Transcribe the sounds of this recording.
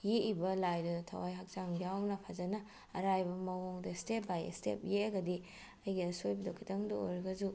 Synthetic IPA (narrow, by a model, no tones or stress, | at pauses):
jeʔibɐlajdɐtʰɐ̰wajɦak̚zaŋbijawŋnɐpʰazɐnɐ | ɐɾajbɐmɐwoŋdɐstep̚baj̰stḛp̚jeɐɡɐdi | ɐjɡiɐsojbidɐkʰitɐŋduo̰ɾɡɐzu